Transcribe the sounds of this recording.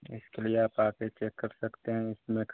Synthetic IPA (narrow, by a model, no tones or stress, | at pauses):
ɪ̰skelieaːpaːket͡ʃeːkːɐɾsɐkt̪eɦɛ̃ɪsmẽk